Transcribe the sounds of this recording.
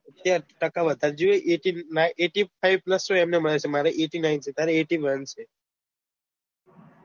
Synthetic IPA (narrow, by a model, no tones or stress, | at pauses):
ət̪jaʈəkaʋət̪aɾd͡ʒieʔeʈinaʔeʈipʰajʋpləsoemneməɭet͡ʃʰemaɾeʔeʈinajnt͡ʃʰet̪jaɾeeʈiʋənt͡ʃʰe